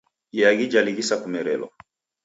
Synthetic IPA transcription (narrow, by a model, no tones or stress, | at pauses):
ijaɣid͡ʒaliɣisakumɛɾɛlɔ̰